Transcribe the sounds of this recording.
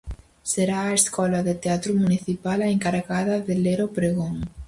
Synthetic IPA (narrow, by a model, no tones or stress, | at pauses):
seɾaːeskɔlaðet̪eat̪ɾomuniθipalaeŋkaɾɣaðɐðeleɾopɾeɣoŋ